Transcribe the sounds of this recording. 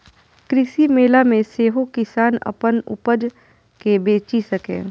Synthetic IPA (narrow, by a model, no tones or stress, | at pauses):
kɾɪsimeːlamẽseːɦokɪsaːnə̰pənʊ̰pəd͡ʒ | kebeːt͡ʃisəkḛ̃ː